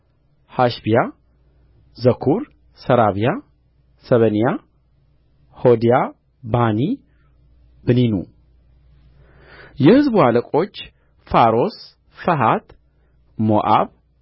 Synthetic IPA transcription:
haʃbija | zəkʰuɾ | səɾaβija | səβənija | hod̪ija | bani | bɨninṵ | jɛhɨzbualəkʼo̞t͡ʃː | faɾo̞s | fəɦat̪ | moʔa̰β

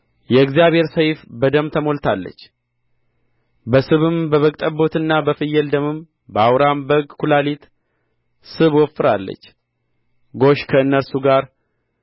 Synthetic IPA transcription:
jɛɨɡzijaβhe̞ɾsəjfbəd̪əmt̪ʰəmo̞lt̪ʰalːə̰t͡ʃː | bəsɨβɨmbəβəkʼt̪ʼəbːo̞t̪ɨnːabəfɨjːəld̪əmɨm | bəawɾambəɡkulalit̪ | sɨβwɔfːɨɾalːə̰t͡ʃː | ɡo̞ʃkʰəɨnːəɾsuɡaɾ

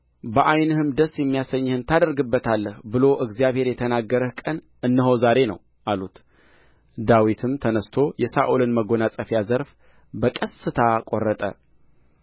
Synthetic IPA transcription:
bəʔajnɨhɨmd̪əsjɛmːijasəɲːhɨnt̪ʰad̪əɾɡɨbːət̪ʰalːəhbɨlo̞ʔɨɡzijaβhe̞ɾjɛt̪ʰənaɡːəɾəhkʼən | ʔɨnːɨɦozaɾe̞nə̰w | ʔalut̪ | d̪awit̪ʰɨmt̪ʰənəst̪ʰo̞jɛsaʔulɨnməɡo̞nasʼəfjazəɾf | bəkʼəsːɨt̪ʰakʼorːət̪ʼə̰

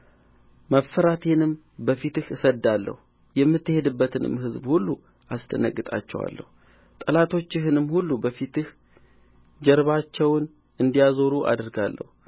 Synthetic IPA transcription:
məfːəɾat̪ʰenɨm | bəfit̪ɨhɨsəd̪ːalːə̰hu | jɛmːɨt̪ːɨhe̞d̪ɨbːət̪ʰɨnɨ̰mːɦɨzbhulːu | ʔast̪ʰənə̰kʼːɨt̪ʼa̰t͡ʃːɛwa̰lːə̰hu | t̪ʼəlat̪ʰo̞t͡ʃːɪɦɨnɨmːhulːubəfit̪ɨh | d͡ʒɛɾβat͡ʃːɛwn | ɨnd̪ijazo̞ɾuʔa̰d̪ɨɾɡalːə̰hu

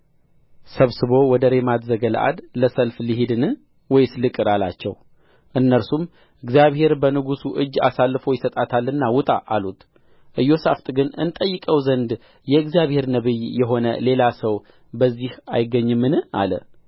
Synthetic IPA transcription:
səβsɨβo̞wɔd̪əɾe̞mat̪zəɡələʔa̰d̪ləsəlfliɦid̪ɨnɨ | wɔjslɨkʼɨɾalat͡ʃːɛ̰w | ʔɨnːəɾsum | ʔɨɡzijaβhe̞ɾbənɨɡusuʔɨd͡ʒːa̰salːɨfo̞jɪsət̪ʼat̪ʰalːɨnːawʊt̪ʼa̰ʔalut̪ | ʔɨjːo̞saft̪ʼɡɨnɨ̰nt̪ʼəjːɨkʼəwzənd̪ | jɛɨɡzijaβhe̞ɾnəβɨjjɛɦo̞nə̰le̞lasəw | bəzːihajɪɡːəɲːɨmːɨnɨʔa̰lə̰

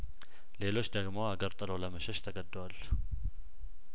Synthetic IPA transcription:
le̞lo̞t͡ʃːd̪əɡmawaɡəɾt̪ʼəloləməʃɛʃt̪ʰəɡəd̪ːwalː

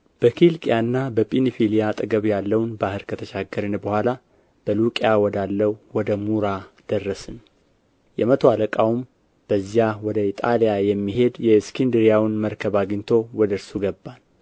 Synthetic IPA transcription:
b̥əkʰilkʼijanːabəpʼinifilijat̪ʼɨɡəβjalːəwnbahɨɾkʰət̪ʰəʃaɡːəɾɨnbəhʷala | b̥əlukʼjawɔd̪alːəwwɔd̪əmuɾad̪̥ərːəsɨn | jɛmət̪ʰoaləkʼawum | b̥əzijawɔd̪əit̪ʼalijajɛmːiɦe̞d̪jɛskʰind̪ɨɾjawnməɾkʰəβaɡɨɲt̪ʰo̞wɔd̪əɾsuɡəbːan

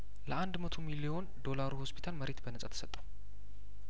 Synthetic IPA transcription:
ləand̪mət̪ʰomilio̞nd̪o̞laɾuho̞spʰi̥t̪ʰalməɾe̞t̪bənəsʼat̪ʰə̥sət̪ʼːəw

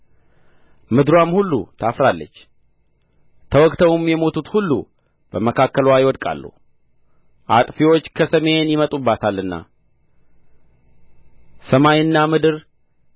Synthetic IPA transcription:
mɨd̪ɾwamhulːṵt̪ʰafɾalːə̰t͡ʃː | t̪ʰəwɔkʼt̪ʰəwumjɛmo̞t̪ut̪hulːṵ | b̥əməkʰakːəlwajɪwɔd̪kʼa̰lːṵ | ʔat̪ʼfiwo̞t͡ʃːkʰəsəme̞njɪmət̪ʼubːat̪ʰalːɨnːa̰ | səmajɨnːamɨd̪ɨɾ

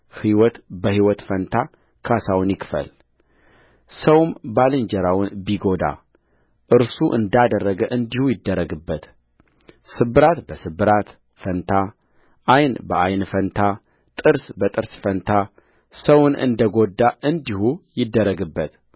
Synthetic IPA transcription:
hiwɔt̪bəhiwɔt̪fənt̪ʰa | kʰasawnjɪkfə̰l | səwmbalɨɲd͡ʒəɾawʊnbiɡo̞d̪a̰ | ʔɨɾsuʔɨ̰nd̪ad̪ərːəɡəʔɨnd̪ihujɪd̪ːəɾːəɡɨbːət̪ | sɨbːɨɾat̪bəsɨbɨɾat̪ | fənt̪ʰa | ʔajnbəʔajnfənt̪ʰa | t̪ʼɨɾsbət̪ʼɨɾsfənt̪ʰa | səwʊnʔɨ̰nd̪əɡod̪ːaʔɨnd̪ihujɪd̪ːəɾːəɡɨbːət̪

